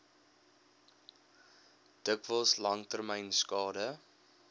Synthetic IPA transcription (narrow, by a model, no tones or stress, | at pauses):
d̥əkvəlˠslɐŋtərmɛjnskɑːdə